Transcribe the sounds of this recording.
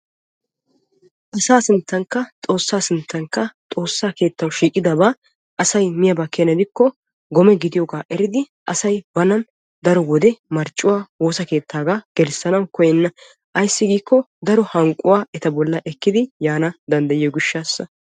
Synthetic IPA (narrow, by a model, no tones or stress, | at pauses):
ʔɐsaːsɪnt̪ːɐŋkːɐt̪ʼo̞ːsːaːsɪnt̪ːɐŋkːɐt̪ʼo̞ːsːaːke̞ːt̪ːɐwʃiːkʼɪd̪ɐbaː | ʔɐsɐjmɪjɐbɐkːɛnɐd̪ɪkːɔ | ɡɔmɛɡɪd̪ɪjɔɡaːʔɛɾɪd̪ɪ | ʔɐsɐjbɐnɐn | d̪ɐɾɔwɔd̪ɛmɐɾt͡ʃʼːʊwaːwo̞ːsɐke̞ːt̪ʰːaːɡaːɡ̥ɛɾsːɐnɐwkɔjɛnːɐ | ʔɐjsːɪɡiːkːɔ | d̪ɐɾɔhɐŋkʼːʊwaːɛt̪ɐbɔlːɐʔɛkːɪd̪ɪjaːnɐd̪ɐnd̪ɐjɪjɔɡʊʃːaːsːɐ